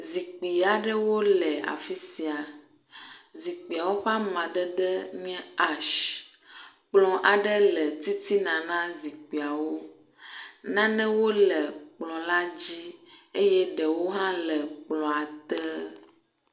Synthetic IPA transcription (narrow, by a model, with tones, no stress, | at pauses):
zi˨k͡pi˨a˨ɖə˦wo˦lɛ˨a̰˨fi˦si˨a˨ | zi˨k͡pi˨a˨wo˦ɸa˦mã˨ɖ̪ə˦d̪ə˦ɲɛ̃˦a˦ʃ | k͡plɔ̃˨ʔa˨ɖə˦lə˨t̪i˦t̪i˦nã˨nã˦zi˨k͡pi˨a˨wo˦ | nã˦nɛ̃˦wo˦lə˨k͡plɔ̃˨la˦d͡ʑi˦e˦jɛ˦ɖə˨wo˦ɦã˦lə˨k͡plɔ̃˨a˨t̪ɛ˦